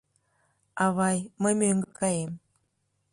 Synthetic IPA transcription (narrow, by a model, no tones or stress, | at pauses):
ɑβɑjməjmøŋɡə̆kɑjem